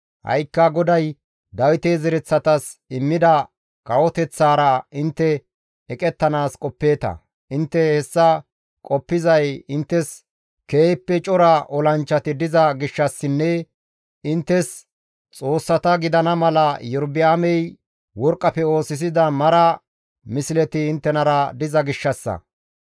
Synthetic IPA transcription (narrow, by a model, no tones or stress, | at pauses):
hɐ̰jkːɐɡɔd̪ɐj | d̪ɐwɪt̪ezɛɾɛt͡sːɐt̪ɐsɪmːɪd̪ɐ | kʼɐwɔt̪ɛt͡sːaːɾɐɪnt̪ːɛ | ɛkʼɛt̪ːɐnaːskʼɔpːe̞ːt̪ɐ̰ | ɪnt̪ːɛhɛsːɐ | kʼɔpːɪzɐjɪnt̪ːɛs | keːpːɛt͡ʃʼɔɾɐʔɔlɐnt͡ʃːɐt̪ɪd̪ɪzɐɡɪʃːɐsːɪnːɛ | ɪnt̪ːɛs | t͡sʼo̞ːsːɐt̪ɐɡɪd̪ɐnɐmɐlɐjɔɾbɪaːmɛj | wɔɾkʼːɐpɛo̞ːsɪs̬ɪd̪ɐmɐɾɐ | mɪsɪlɛt̪ɪɪnt̪ːɛnɐɾɐd̪ɪzɐɡɪʃːɐsːɐ̰